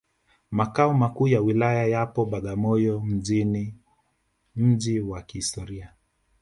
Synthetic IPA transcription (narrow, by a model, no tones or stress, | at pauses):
makaɔmakuːjawilajajapɔɓaɠamɔjɔm̩ʄini | m̩ʄiwakihistɔɾia